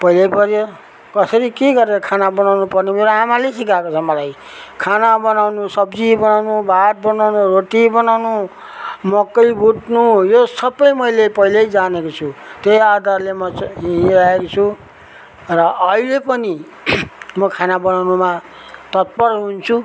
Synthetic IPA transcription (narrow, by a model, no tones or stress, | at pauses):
pʌilʌjpʌɾjo | kʌsʌɾikeɡʌɾeɾʌkʰanabʌnawnupʌrnemeɾoamalesikakot͡sʰʌmʌlaj | kʰanabʌnawnusʌbd͡zibʌnawnubʱat̪̚bʌnawnuroʈibʌnawnu | mʌkːʌjbʱuʈnujosʌbʌjmʌjlepʌilʌjd͡zanekot͡sʰut̪ejad̪ʱarlemʌɦiaekot͡sʰu | rʌʔʌilepʌni | mʌkʰanabʌnawnuma | t̪ʌt̪̚pʌrɦunt͡sʰu